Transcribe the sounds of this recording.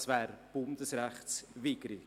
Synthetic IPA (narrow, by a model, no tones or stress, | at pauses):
svɛːɾb̥ʊnd̥əsrɛχsviɡ̥ɾi